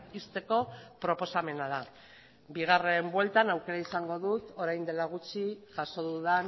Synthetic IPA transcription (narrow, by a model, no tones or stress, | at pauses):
ist̪e̞ko̞pɾo̞po̞same̞nað̞a | biɣ̞are̞mbwe̞lt̪anawke̞ɾaisaŋɡo̞ðut̪o̞ɾajnd̪e̞laɣ̞ut͡ʃiʝaʃo̞ðuðan